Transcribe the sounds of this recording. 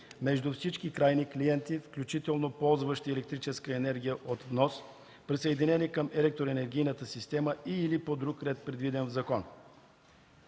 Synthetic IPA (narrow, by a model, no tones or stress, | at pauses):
mɛʒd̪ufsit͡ʃkikɾajnikliɛnt̪ifklʲut͡ʃit̪ɛlˠnopɔlˠzvəʃt̪iɛlɛk̚t̪ɾit͡ʃɛskəɛnɛɾɡʲijəʔot̪vnɔs | pɾisəɛd̪inɛnikəmɛlɛk̚t̪ɾoɛnɛɾɡ̟ʲijnət̪əsist̪ɛməiːlipod̪ɾukɾɛt̪̚pɾɛd̪vid̪ɛnvzɐkɔn